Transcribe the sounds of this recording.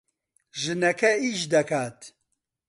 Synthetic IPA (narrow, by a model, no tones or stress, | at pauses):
ʒɨnɛkʰɛiʃd̪ɐkʰaːt̪